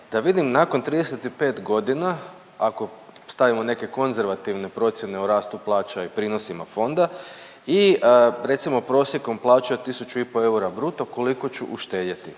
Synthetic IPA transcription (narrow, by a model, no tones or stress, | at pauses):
d̪̥aʋid̪imnako̞nt̪ɾiːd̪e̞se̞t̪ipe̞ːt̪ɡo̞d̪ina | ako̞st̪aʋimo̞ne̞ke̞ko̞nze̞ɾʋat̪iʋne̞pɾo̞t̪sje̞ne̞uɾaːst̪uplˠaːt͡ʃaipɾiːno̞simafo̞nd̪a | iɾe̞t̪simo̞pɾo̞sje̞ko̞mplˠaːt͡ʃaot̪isut͡ʃuipo̞e̞uɾabɾuːt̪oko̞liko̞t͡ɕuʔuʃt̪e̞ːd̪ʲet̪ḭ